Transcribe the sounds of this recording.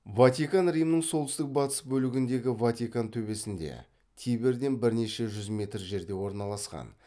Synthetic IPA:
vat̪ikanrijmnəɴsolˠt̪ʏst̪ɪk̚bɑt̪ə̥sbɵlɪɡʲɪnd̪e̞ɡʲɪvat̪ʲikant̪ʰɵbe̞sɪnd̪e̞̰ | t̪ʰijbe̞ɾd̪e̞nbɪɾne̞ʃe̞ʒʏzmʲe̞t̪rʒe̞ɾd̪e̞wo̞ɾnɑlˠɑsqɑ̰n

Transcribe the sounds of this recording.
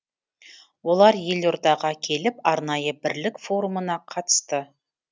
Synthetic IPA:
wo̞lˠɑɾje̞lʲo̞ɾd̪ɑʁɑkʲʰe̞lɪpɑɾnɑjəbɪɾlɪkfo̞ɾumənɑqʰɑt̪ə̥st̪ə

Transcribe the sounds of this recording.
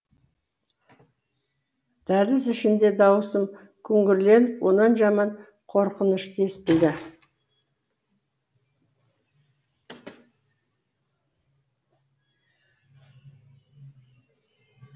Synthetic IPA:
d̪̥æɾɪzɪʃɪnd̪e̞d̪ɑwəsəm | kʲʰʏŋɡʲɪɾle̞nwʔo̞nɑnʒɑmɑɴ | qʰo̞ɾqənəʃt̪ʰe̞st̪ɪld̪ɪ

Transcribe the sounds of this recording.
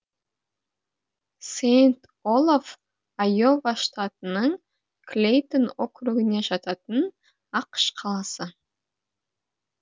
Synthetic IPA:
sejnt̪ | olˠof | ajo̞vaʃt̪ɑt̪ənəɴ | klʲejt̪onokruɡɪne̞ʒɑt̪ɑt̪ən | ɑqʃqʰɑlˠɑsə

